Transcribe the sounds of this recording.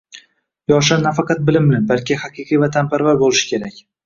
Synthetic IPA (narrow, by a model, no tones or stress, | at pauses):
jɒʃ̬anafɑqɑt̪̚bɪlɪmlɪbalkʲɪhɑqʰɨqʰɨjvat̪ʰampaɾvaɾbolˠɪʃɪ̥kʲe̞ɾakʲ